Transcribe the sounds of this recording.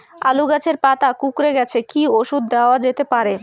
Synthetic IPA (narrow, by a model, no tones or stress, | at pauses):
a̰luɡat͡ɕʰeɾpat̪akukɾeɡɛt͡ɕʰekioʃud̪ːaoad͡ʑet̪epaɾe